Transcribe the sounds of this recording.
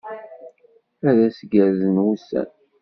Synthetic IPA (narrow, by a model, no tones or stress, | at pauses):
æðæsɡæɾzənwusæ̰n